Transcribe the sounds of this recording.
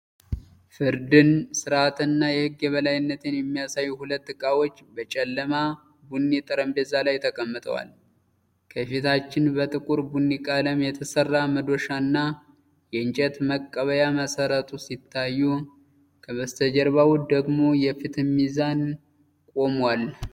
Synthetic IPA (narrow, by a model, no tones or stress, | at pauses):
fɨɾd̪ɨnsɨɾat̪ɨnːajɛhɨɡːjɛβəlajɪnːət̪ʰenjɛmːijasajːuhulət̪ːɨkʼawot͡ʃːbət͡ʃʼɛlːəma | bunːit̪ʼɨɾəmd̪əzːalajt̪ʰəkʼəmːɨt̪ʼə̰wa̰l | kʰəfit̪ʰat͡ʃːɪnbət̪ʼɨkʼuɾbunːikʼaləmjɛt̪ʰəsərːaməd̪o̞ʃanːa | jɛɨnt͡ʃʼɛt̪məkʼːəβəjaməsəɾət̪ʼusit̪ʰːajːu | kʰəβəst̪ʰəd͡ʒəɾβawud̪əɡmo̞jɛfit̪ʰɨmːizan | kʼo̞mwal